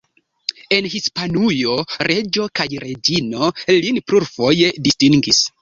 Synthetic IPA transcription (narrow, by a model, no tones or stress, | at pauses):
e̞nhispanujo̞ɾe̞d͡ʒo̞kajɾe̞d͡ʒino̞linpɾuɾfo̞je̞distiŋɡis